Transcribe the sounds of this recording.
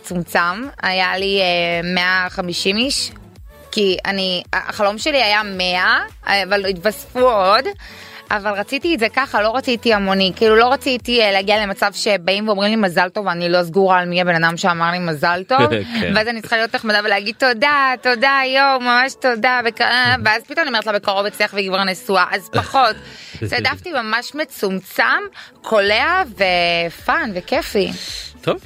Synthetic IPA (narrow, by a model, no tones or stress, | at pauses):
t͡sumt͡samajaliemeaχamiʃimiʃ | kia̰nia̰χalo̞mʃe̞liajameaavalitbasfuo̞d | ʔavalʁat͡sitiezekaχalo̞ʁat͡sitiamonikiilulo̞ʁat͡sitileɡiale̞mat͡savʃebaimveo̞mʁimlimazalto̞vanilo̞zɡuʁaːlmiabe̞nadamʃeamaʁlimazaltovveazanitt͡ssχalijo̞t̪neχmadaveleaɡid̚t̪o̞dato̞dajowmamaʃto̞dabekaaveazpitomnimetlabekaʁobet͡siaχveɡvaʁnesuaʔazpaχo̞tzedaftimamaʃmet͡sumt͡sam | kʰo̞leavefanvekefit̪ʰov